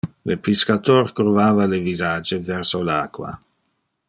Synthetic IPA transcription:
lepiskat̪orkɾuvaːvalevizaːd͡ʒevɛrsolaːkwa̰

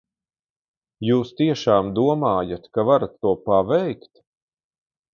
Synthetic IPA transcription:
juːst̪iɛʃaːmd̪uɔmaːjat̪kavaɾat̪ːuɔpavɛjkt̪

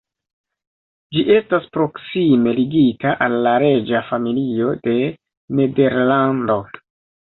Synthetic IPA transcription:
d͡ʒiʔe̞staspɾo̞ksime̞liɡitaʔalːaɾe̞d͡ʒafamilio̞de̞ | ne̞de̞ɾlando̞

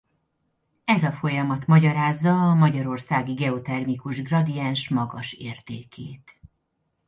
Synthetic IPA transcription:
ɛzɒfo̞jɒmɒt̪mɒɟɒɾaːzːɒːmɒɟɒɾo̞rsaːɡiɡɛot̪ɛrmikuʒɡrɒd̪ijanʃmɒɡɒʃeːrt̪eːkeːt̪

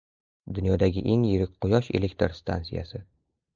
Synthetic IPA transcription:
d̪ʊnjɒd̪aɡʲɪʔeŋjɪɾɪk̚ʲqʰʊjɒʃelekʲt̪ɾst̪ʰa̰nsija̰sɪ

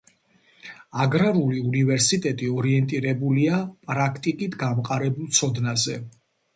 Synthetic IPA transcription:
aɡɾaɾuliunivɛɾsit̪ʼɛt̪ʼiɔɾiɛnt̪ʼiɾɛbuliapʼɾakʰt̪ʼikʼit̪ʰɡamqʼaɾɛbulˠt̪sʰɔd̪nazɛ

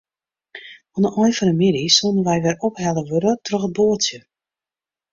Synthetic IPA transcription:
ɔnəʔɔjfɔnəmidisunənʋɛjʋɛrophɛləʋøɾətrøxət̚boːtjə

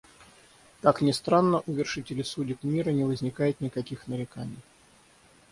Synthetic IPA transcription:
k̪aknʲɪst̪ɾanːəʔʊvʲɪrʂɨtʲɪlʲɪsudʲɪkmʲiɾənʲɪvəzʲnʲɪkajɪt̪nʲɪkɐkʲixnəɾʲɪkanʲɪj

